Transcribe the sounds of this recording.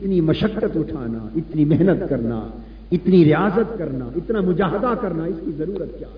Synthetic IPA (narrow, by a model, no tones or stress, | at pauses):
ɪt̪nimɐʃəkːət̪ʊʈʰa̰ːna̰ɪt̪nimɛɦnət̪kɐɾna̰ | ɪt̪niɾɪjaːzət̪kɐɾnaɪt̪namʊd͡ʒaːɦəd̪akɐɾnaɪskizɐɾuːɾət̪̚kja̰ː